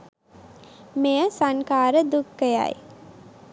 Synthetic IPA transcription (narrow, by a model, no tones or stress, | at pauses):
mejəsaŋkaːɾəd̪ukːəja̰j